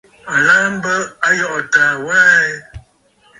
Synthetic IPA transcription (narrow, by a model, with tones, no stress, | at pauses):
a˨laː˦m̩˦bə˦a˦jɔ˦˨ʔtaː˨waː˦e˦